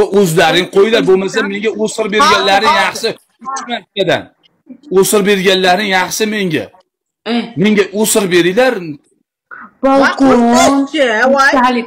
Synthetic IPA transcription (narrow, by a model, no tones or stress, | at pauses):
ʔɵzlaɾɪŋqʰojɪlaɾbolˠmasanme̞ŋɡʲaosɪɾbeɾɡʲanlaɾnɪŋjɑχʃɪ | ʊt͡ʃmat̪ʲːad̪a̰n | osɪɾbe̞ɾɡʲanlaɾnɪŋjɑχʃɪme̞ŋɡʲa̰ | me̞ŋɡʲaʔosɪɾbe̞ɾɪlaɾ | bɒlk | l